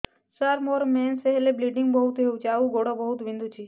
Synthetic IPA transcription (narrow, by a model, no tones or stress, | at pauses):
saɾmoɾmenseɦelebliɖiŋɡbəɦut̪ɦeʋũt͡ʃʰaʋũɡoɽobəɦut̪ʋɪ̃nd̪ʱut͡ʃʰi